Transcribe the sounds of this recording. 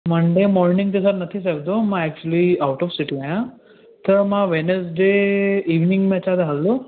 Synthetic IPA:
məɳɖemɔɾnĩŋɡt̪esaɾnɐt̪ʰis̬əkd̪omãɛk̚t͡ɕuəliawʈɔfsiʈiajã | t̪əɾmãʋenes̬ɖeiʋniŋɡmɛt͡ʃad̪aɦalːu

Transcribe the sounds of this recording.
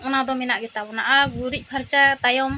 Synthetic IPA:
ɔnad̪ɔmɛnaʔɡɛt̪abɔnaʔaɡuɾic̪̚ˀpʰaɾt͡ʃat̪ajɔm

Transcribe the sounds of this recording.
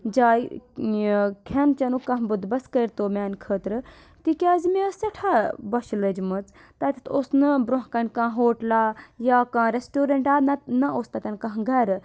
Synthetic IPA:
d͡ʒaːi | kʰɐnt͡ʃɐnukɐ̃ɦbɨd̪bɐskəjɾt̪oːmaːnkʰəːt̪ɾɨ | t̪ikʲaːzmesɐʈʰabɐʃləd͡ʒmɨt͡s | t̪ɐt̪ʲi̥t̪ʰoːsnɨbɾoɦkɐnʲkãːɦoːʈlaːjaːkãːɾesʈoːɾɐɳʈaːnnɐoːst̪ɐt̪ʲɐnkɐ̃ɦɡɐɾ

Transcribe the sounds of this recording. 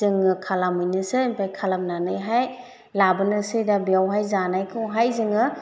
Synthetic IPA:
ɯŋɯkʰalamɯjnɯsɯimpʰajkʰalamnanɯjɦaj | labɯnɯsɯjdabijawɦajzanajkʰɯwɦajzɯŋɯ

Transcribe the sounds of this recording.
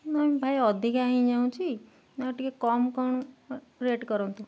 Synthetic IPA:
namĩbʱajɔd̪ʱikaɦĩd͡ʒaw̃t͡ʃʰi | nɔʈikekɔmkɔɳ̃ | ɾeʈkɔɾɔ̃nt̪u

